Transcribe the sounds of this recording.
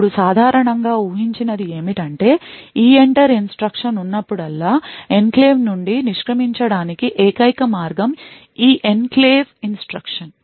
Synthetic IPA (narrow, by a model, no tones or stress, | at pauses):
uɽusaːd̪ʱaːɾɐɳɐŋɡaːuːɦiɲt͡ʃinɐd̪ie̞ːmiʈɐɳʈe̞ːiːeɳʈɐɾinsʈɾɐkʂɐnunːɐpːuɽɐlːaːenkleːʋnuɳɖiniʂkɾɐmiɲt͡ʃɐɽaːnikiʔɛːkɐjkɐmaːɾɡɐm | iːʔenkleːʋinsʈɾɐkʂɐn